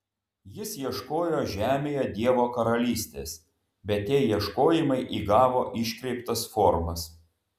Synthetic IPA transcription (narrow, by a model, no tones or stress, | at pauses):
jɪsjiɛʃkoːjoːʒʲæːmʲeːjoːd̪ʲiɛʋoːkɐɾɐlʲiːsʲt̪ʲḛːs | bʲɛt̪tʲiɛjiɛʃkoːjɪmɐɪʔiːɡɑːʋoːʔɪʃʲkʲɾʲɛɪpt̪ɐsfɔːɾmɐs